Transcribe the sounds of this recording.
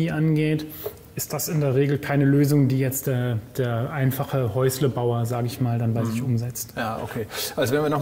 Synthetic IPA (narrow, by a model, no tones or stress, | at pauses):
iːʔanɡeːt | ʔɪst̚d̥asɪndeːɐʁ̞eːɡl̩kʰaɪnəløːzʊŋdiːjɛt͡std̥eːɐd̥eːɐʔaɪnfaχəhɔʏsləbaʊɐzaːɡəɪçmaːldanbaɪzɪçʔʊmzɛt͡stjaːʔo̰kʰeːʔalzovɛːɐnviɐənɔ